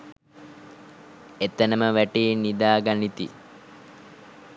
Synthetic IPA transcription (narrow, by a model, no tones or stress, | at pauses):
et̪ənəməʋæʈiːnid̪aːɡanit̪i